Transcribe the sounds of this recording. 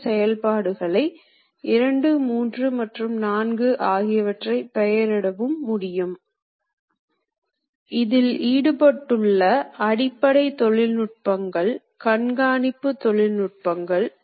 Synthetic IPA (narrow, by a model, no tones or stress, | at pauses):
sɛjɐlpaːɽɯɣɐɭɐɪ | ɪɾɐɳɖɯmuːndrɯmɐʈrɯmnaːnɡɯʔaːɣɪjɐʋɐʈrɐɪpɛjɐɾɪɽɐʋɯmːʊɽɪjɯm | ɪðɪliːɽɯpɐʈːɯɭːɐɐɽɪpːɐɽɐɪt̪ɔɭɪlnʊʈ̚pɐŋɡɐɭ | kɐɳɡaːnɪpːɯt̪ːɔɭɪlnʊʈ̚pɐŋɡɐɭ